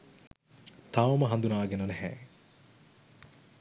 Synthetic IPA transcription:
t̪aʋɐməɦɐnd̪unaːɡenɐnɛɦɛ

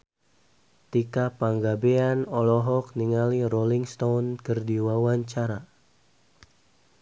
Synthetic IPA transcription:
t̪ikapaŋɡabeanɔlɔɦɔk̚niŋaliroliŋst̪ownkərdiwawaɲt͡ʃaɾa

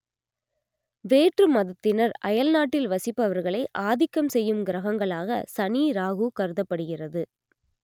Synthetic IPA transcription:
ʋeːʈrɯmɐðɐt̪ːɪnɐɾɐjɐlnaːʈːɪlʋɐsɪpːɐʋɐɾɣɐɭɐɪʔaːðɪkːɐmsɛjːɯmɡɪɾɐɣɐŋɡɐɭaːɣɐ̰sɐniːɾaːɣukɐɾɯðɐpːɐɽɯɣɪrɐðɯ

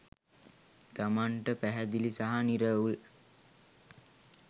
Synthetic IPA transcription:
t̪amaɳʈəpæɦæd̪ilisaɦaniɾəul

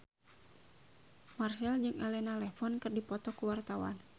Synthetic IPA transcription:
marsɛld͡ʒɨŋɛlɛnalɛfɔnkɨrdipɔt̪ɔkuwart̪awa̰n

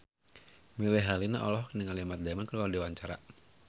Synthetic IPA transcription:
milɛɦalinaʔɔ̰lɔhniŋaliamat̪̚damankəladiwaɲt͡ʃaɾa̰

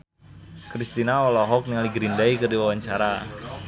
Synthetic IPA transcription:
kɾist̪inaɔlɔɦɔk̚nialiɡɾindaikərdiwawaɲt͡ʃaɾa

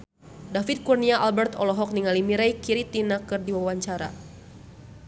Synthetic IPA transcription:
dafit̪̚kurniaʔalbɛrt̪ɔlɔɦɔk̚niŋalimiɾajkiɾit̪inakɨrdiwawaɲt͡ʃaɾa̰

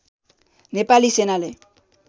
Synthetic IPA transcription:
nepalisenale

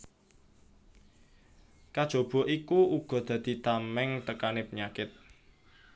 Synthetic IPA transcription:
kad̥ʒ̥o̤b̥ɔ̤ʔikuuɡ̥ɔ̤d̪̥ä̤d̪̥i̤t̪amɛŋt̪əkanepəɲakɪt̪̚

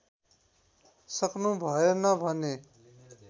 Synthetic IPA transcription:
səknũːbʱaːjenãːbʱaːnẽː

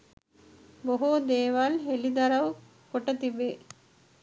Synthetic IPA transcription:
boɦud̪eːʋɐlɦelid̪ɐɾɐʋ | koʈət̪ibe

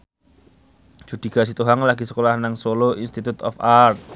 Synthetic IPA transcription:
d͡ʒ̥ṳd̪̥i̤ɡ̥a̤s̬it̪uɦaŋlaɡi̤sə̥kolahnaŋsoloinst̪it̪ut̪ɔfart̪̚

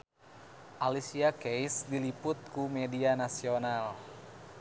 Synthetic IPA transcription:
ʔalisiakejsdilipʊt̪̚kumɛdianasional

